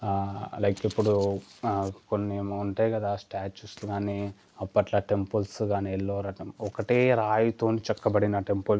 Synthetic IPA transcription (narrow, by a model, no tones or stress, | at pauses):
lɐjkipːuɽu | konːiuɳʈeːjkɐd̪aːsʈaːt͡ʃusɡaːniː | ɐpːɐʈlɐʈe̞mpulsɡaːnielːoːɾɐmɔkɐʈeːɾaːjut̪oːnit͡ʃɛkːɐbɐɽinɐʈe̞mpul